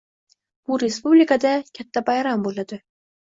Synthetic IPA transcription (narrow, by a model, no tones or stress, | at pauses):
b̥uɾespublikad̪akʲʰat̪ːabɑjɾambolˠad̪ɪ